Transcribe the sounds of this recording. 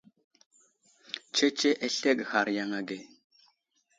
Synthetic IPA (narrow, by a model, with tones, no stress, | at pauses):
t͡ʃe˦t͡ʃe˦ʔe˦ɬe˦kha˨ɾja˦ŋa˨ɡe˨